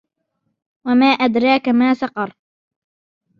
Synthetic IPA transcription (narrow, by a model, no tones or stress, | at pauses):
wamaːʔad̪ɾˤɑːkamaːsɑqɑɾˤ